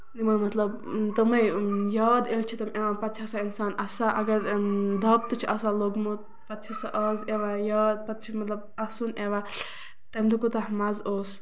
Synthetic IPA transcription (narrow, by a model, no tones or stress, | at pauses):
nimɐmɐt̪lɐb | t̪ɐmɐjjaːd̪elt͡ʃʰit̪ɐmʔeʋãpɐt̪̚t͡ʃʰɐsainsaːnɐsaʔɐɡɐɾd̪ʱɐp̚t̪ut͡ʃʰiʔɐsaloɡmut̪̚ | pɐt̪̚t͡ʃʰɐsaʔɐzeʋajaːd̪̚pɐt̪̚t͡ʃʰimɐt̪lɐb̚ɐsuneʋa | t̪ɐmd̪ukut̪ɐɦmɐzoːs